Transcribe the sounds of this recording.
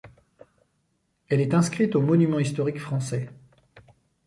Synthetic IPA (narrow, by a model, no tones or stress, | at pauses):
ɛlɛt̪ɛ̃skχit̪omɔnymɑ̃ist̪ɔʁikfχɑ̃sɛ